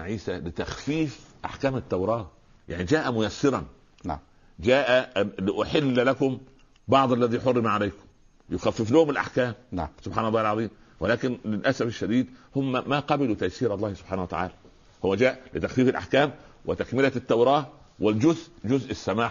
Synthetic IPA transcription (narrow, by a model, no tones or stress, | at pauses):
ʕiːsælɪt̪æxfiːfʔa̰ħkæːmɪt̪ːawɾˤɑːh | ja̰ʕnid͡ʒæːʔæmʊjæsːɪɾˤɑn | d͡ʒæːʔælɪʔʊħɪlːlækʊm | bɑʕd̪ˤalːæðiːħorːɪmʕalajkʊ̥m | jʊxæfːɪflʊhʊmɪlʔa̰ħkæːmsʊbħaːnɑlˤːɑːhɪlʕɑðˤiːm | wɪlæːkɪnlɪlʔæsæfɪʃːæd̪iːd̪hʊmːmaqɑbɪlut̪æjsiːɾɑlˤːɑːhsʊb̥ħaːnhwæ̰t̪a̰ʕa̰ːlæ | hʊmːæd͡ʒæːʔlɪt̪æxfiːfɪlʔa̰ħkæːmwɪt̪ækmɪlæt̪ːawɾˤɑːh | wɪld͡ʒʊzʔd͡ʒʊzʔsːæmaːħ